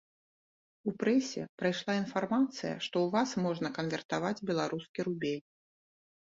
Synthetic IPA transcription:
upɾɛsʲɛ̰pɾajʂlˠainfarmat̪sɨjɐ̰ʂt̪ɔwvasmɔʐnɐkɐnvʲɛrt̪avad͡zʲbʲɛlˠaɾuskʲiɾubʲelʲ

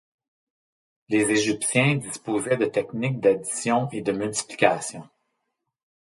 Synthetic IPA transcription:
lezeʒipsjɛ̃d̪ispoːzɛd̪ət̪ɛknɪk̚d̪ad̪i̥sjɔ̃ed̪əmylt̪i̥pli̥kʲasjɔ̃

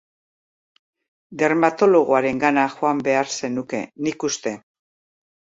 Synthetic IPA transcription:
d̪e̞ɾmat̪o̞lo̞ɣ̞oaɾe̞ŋɡanaʝoambe̞aɾse̞nuke̞̰nikust̪e̞

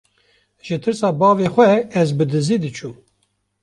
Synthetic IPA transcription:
ʒɨt̪ʰɨɾsɑːbɑːvexʷɛɛzbɨd̪ɨzid̪ɨt͡ʃʰum

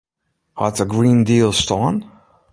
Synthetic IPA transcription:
wʌtsəɡɹĩndilˠstɔ̃n

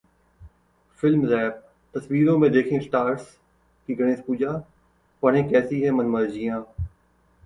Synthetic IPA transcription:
fɪlmzɛːb̚ | t̪ɐsʋiːɾõːmẽd̪eːkʰĩːsʈaːɾs | kiɡəɽẽːspuːd͡ʒaː | pɐɽẽːkɛːsiɦɛːmɐnməɾd͡ʒijãː

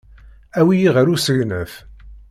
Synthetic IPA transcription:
æwijiʁəɾusəʝnəf

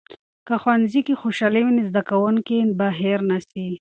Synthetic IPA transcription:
kaxwanzikixoʃaliwinizd̪akawʊŋkinbaɦeɾnasi

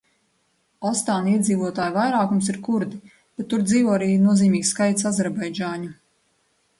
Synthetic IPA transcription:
ɔst̪aːniɛd̪ziːvuɔt̪aːjvajɾaːkumsiɾkuɾd̪i | b̥ɛt̪ːuɾd̪ziːvɔːaɾiːnuɔziːmiːksːkajt̪sazɛɾbajd͡ʒaːɲu

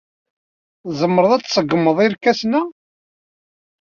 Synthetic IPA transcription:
zˤəmːəɾəðˤæt͡sːsəɡəmːəðˤiɾkːæsnæ

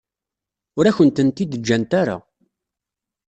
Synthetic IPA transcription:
ʊɾæçənt̪ənt̪id̪əd͡ʒːænt̪aɾa̰

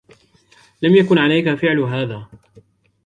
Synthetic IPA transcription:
lamjakʊnʕalajkafɪʕlɦaːðaː

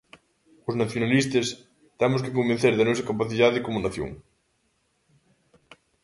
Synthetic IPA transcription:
ʊznaθjonalist̪ɐs | t̪ɛmʊskɪkombẽn̟θeɾðɐnɔsɐkapaθiðaðekomonaθjo̰ŋ

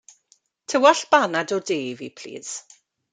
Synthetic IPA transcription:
tʰəwaɬb̥anadɔdeːvipʰl̥ḭːz̥

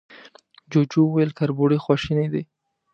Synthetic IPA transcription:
d͡ʒod͡ʒuwjlkaɾboɽexwɑʃined̪e

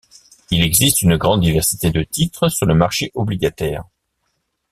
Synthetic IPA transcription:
ilɛɡzist̪ynəɡʁɑ̃d̪̚ːivɛʁsi̥t̪ed̪ət̪it̪χəsyʁləmaʁʃeʔɔbliɡat̪ɛːʁ

